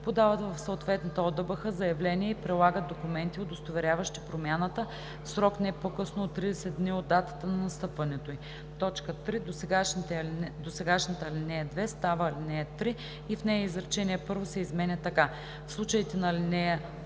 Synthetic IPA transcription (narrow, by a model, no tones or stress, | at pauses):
pod̪avət̪vɐfsəot̪vɛt̪nət̪əod̪əbəxəzɐjɐvlɛniɛipɾɛlˠaɡət̪̚d̪okumɛnt̪iod̪ost̪ovɛɾʲavəʃt̪ipɾomʲjanət̪ə | sɾɔknɛpokɤsnoot̪ːɾid̪ɛsɛd̪̚d̪niod̪ːat̪ə̥t̪ənɐnɐst̪ɤpvɐnɛt̪oi | t̪ɔt͡ʃkət̪ɾid̪osɛɡaʃd̪osɛɡaʃnət̪əlinɛjəd̪vɛst̪avəlinɛjət̪ɾi | ifnɛjəizɾɐt͡ʃɛniɛpɤɾvosɛizmɛnʲɐt̪ːɐka | fslˠut͡ʃəit̪ɛnɐlinɛjə